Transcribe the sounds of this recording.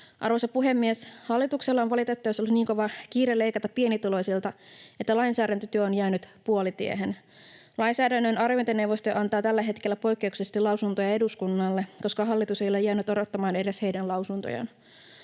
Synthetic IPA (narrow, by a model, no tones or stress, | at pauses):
ʔɑrʋosɑpuɦe̞mːieshɑlːit̪ukselːɑonʋɑlit̪et̪ːɑjosolːuniːŋko̞ʋɑkiːɾelːe̞jkɑt̪ɑppie̞nit̪ulo̞jsilt̪ɑet̪ːælɑjnsæːɾænt̪øt̪yøonjæːnyt̪puolit̪ḭeɦen | lɑjnsæːdænːønɑrjont̪enewʋost̪oʔɑnt̪ɑːt̪ælːæɦe̞t̪ke̞lːæpo̞jkːe̞uksest̪ilɑwsunt̪ojɑe̞duskunːɑlːeko̞skɑɦɑlːit̪use̞jo̞le̞jːæːnyt̪oɾot̪ːɑmɑːne̞ɾeshe̞jdænlɑwsunt̪o̰jɑ̰n